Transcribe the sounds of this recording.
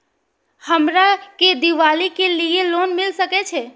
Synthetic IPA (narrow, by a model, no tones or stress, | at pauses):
həmɾaked̪iʋalikelielonmilsəkɛt͡ʃʰɛ